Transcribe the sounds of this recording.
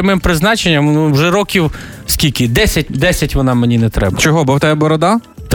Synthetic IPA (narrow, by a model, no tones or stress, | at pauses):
mɪmpɾɪznɑt͡ʃenʲːɐmnuwʒɛɾɔkʲiw | sʲkʲilʲkʲɪd̪ɛsʲɐt̚ʲd̪ɛsʲɐtʲʋɔnɑmenʲinɛt̪ɾɛ̰bɐt͡ʃɔɦɔbʊwt̪ɛjɛbɔɾɔd̪ɑ | t̪